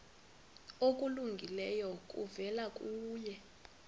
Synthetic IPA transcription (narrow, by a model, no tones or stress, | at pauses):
ok̬ʼuluŋɡʱilɛjɔk̬ʼṵvɛlakʼuːjɛ